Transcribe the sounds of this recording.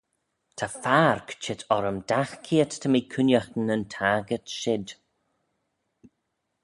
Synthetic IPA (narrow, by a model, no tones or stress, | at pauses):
tʰafaɹkt͡ʃʰɪtʰɔɾəmdaxkʰiətʰːəmikʰʊnjaxtənəntʰaːɡətʃɪd̪